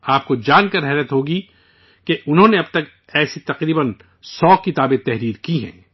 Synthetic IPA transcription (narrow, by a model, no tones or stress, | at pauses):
aːp̚kod͡ʒaːnkɐɾɦɛːɾət̪ɦoːɡi | keʔʊnɦõːneɐb̚t̪ɐk | ɛːsit̪ɐqɾiːbən | sɔːkɪt̪aːbet̪ɛɦɾiːɾkiɦɛ̰̃ː